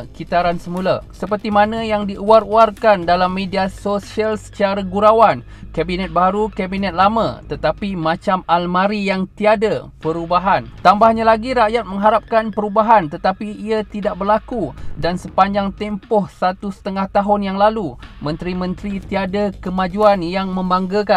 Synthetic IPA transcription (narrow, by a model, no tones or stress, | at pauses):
kit̪aɾansəmulasəpərt̪imanə̃jaŋdiʔuaɾuarkandalamːediasosialsə̥t͡ʃaɾaɡuɾawan | kabinɛt̪̚baɾukabinɛt̪̚lamã̰t̪ət̪apimãt͡ʃamalmaɾijaŋt̪iadapəɾubaɦant̪ambahɲalaɡiɾaʔjat̪̚məŋɦaɾap̚kanpəɾubaɦant̪ət̪apiːat̪idaʔ̚bərlakudansəpaɲd͡ʒaŋt̪ɛmpɔhsat̪usə̥t̪əŋaht̪aɦʊnjaŋlalumə̃nt̪ɾimə̃nt̪ɾit̪iadakəmad͡ʒuanjaŋmə̃mbaŋɡəka